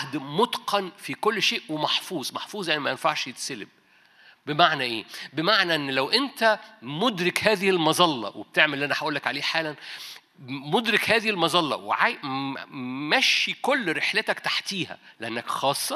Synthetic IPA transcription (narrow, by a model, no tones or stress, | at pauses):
d̪mot̪qɑnfikolːʃeːʔwemɑħfuːzˤmɑħfuːzˤjaʕnimæjenfaʕʃjet̪selḛb̚ | bemaʕnæʔeːbemaʕnæʔenːlæwʔent̪æmod̪ɾekhæːðɪhilmɑzˤɑlːɑ̰web̥̚t̪eʕmelːʔænæħaʔuːlːækʕaleːħaːlæn | mod̪ɾekhæːðihilmɑzˤɑlːɑ̰wḛʕaj | mæʃːikolːɾeħlet̪ækt̪ḁħt̪iːhæ̰leʔænːækxɑːsˤːɑ